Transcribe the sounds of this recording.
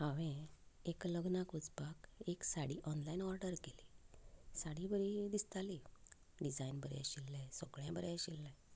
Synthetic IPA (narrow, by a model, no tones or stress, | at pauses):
ɦãʋẽekləɡnakud͡zpakeksaɽiːʔɔnlainɔɾɖəɾkeliːsaɽibəɾid̪ist̪ali | ɖid͡zainbəɾɛ̰ɕilːɛ̃soɡɭãbəɾjɛ̃ɕilːɛ̃